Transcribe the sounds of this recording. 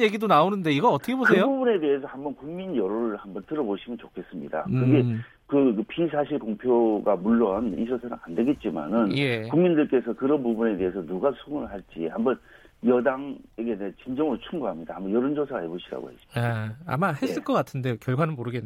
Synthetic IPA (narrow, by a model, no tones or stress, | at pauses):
jeɡidonaonɯnde̞iɡʌʌt͈ʰʌkʰeboksʰejoubune̞de̞ɦesʰʌhambʌnkuŋminjʌɾoɾɯɭhambʌntɯɾʌboɕʰimɯnt͡ɕokʰe̞s͈ɯmɲḭda̰kɾnɡe̞ | kɯkpʰis̬ʰaɕʰiɭkoŋpʰjoɡamuɭːʌnḭd͡ʑʰʌsʰanɯ̰nande̞ɡe̞t̚t͡ɕ͈ima̰nɯnje̞kuŋmindɯɭk͈e̞sʰʌkɯɾʌnpubune̞de̞ɦesʰʌnuɡasʰuŋɯɭhaɭt͡ɕ͈ḭhambʌn | jʌdaŋeɡenet͡ɕind͡ʑʌŋɯot͡ɕʰuŋɡuɦamɲida̰hambʌnjʌɾond͡ʑʌsʰaaɦeboɕʰiɾa̰ɡo̰he̞s͈i̥maa̰maɦe̞ss͈ɯɭk͈ʌk͈atʰɯnde̞okjʌɭɡwanɯnmoɾɯɡe